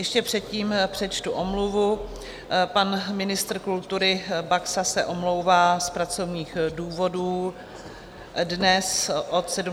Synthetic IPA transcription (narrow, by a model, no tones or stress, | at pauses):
jɛʃcɛpr̥ɛt̪ciːmpr̝̥ɛt͡ʃt̪uʔomluvu | panmɪnɪst̪r̩kult̪uɾɪbaksasɛʔomlo̞wvaːspɾat͡so̞vɲiːxduːvo̞duː | dnɛsʔot̪sɛdu